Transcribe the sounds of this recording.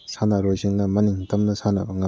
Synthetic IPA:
sanaɾojziŋnɐmɐniŋtʰɐmnɐsanɐ̰bɐŋa

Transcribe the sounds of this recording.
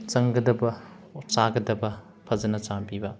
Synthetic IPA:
t͡ʃɐŋɡɐdɐbɐ | t͡ʃaɡɐdɐbɐ | pʰɐzɐnɐt͡ʃampibɐ

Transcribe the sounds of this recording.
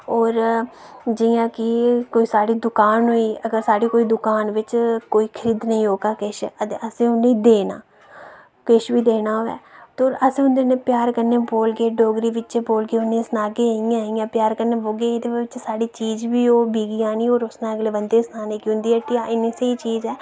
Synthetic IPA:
ɔːɾ | d͡ʒɪjãːkɪkoːiːsaːɽiːd̪ʊkaːnɦoːiːəɡəɾsaːɽiːkoːiːd̪ʊkaːnʋɪt͡ʃkoːiːkʰəɾiːd̪nəĩːɦoːɡaːkeʃət̪eəsẽːʊnːẽd̪eːna̰ː | keʃbiːd̪eːnaːɦoːɛ̰ːt̪oːɾəsẽːʊnd̪eːnẽːpjaːɾkəɾneːboːlɡeːɖoːɡɾiːʋɪt͡ʃeːboːlɡeːʊnːẽːsnaːɡeːaijãːĩjãːpjaːɾkəɾneːʋoːɡeːeːd̪eːɪt͡ʃsaːɽiːt͡ʃiːd͡ʒʋiːoːbiːɡiãːnĩːoːɾʊsnãːəɡleːbənd̪eːsnaːneːkɪʊnd̪iːəʈːiːãːʔɪneːseiːt͡ʃiːzɛː

